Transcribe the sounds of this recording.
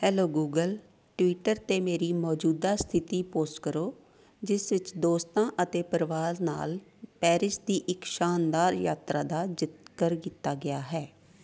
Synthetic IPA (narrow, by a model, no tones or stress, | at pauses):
hɛːloːɡuːɡəl | ʈʋiːʈəɾt̪eːmeːɾiːmɔːd͡ʒuːd̪aːst̪ʰɪt̪iːpoːsʈkəɾoː | d͡ʒɪsʋɪt͡ʃd̪oːst̪ãːʔət̪eːpəɾʋaːɾna̰ːlpɛːɾɪʃd̪iːʔɪkʃaːnd̪aːɾjaːt̪ɾaːd̪aːd͡ʒɪt̪kəɾkiːt̪ːaːɡɪaːɦɛː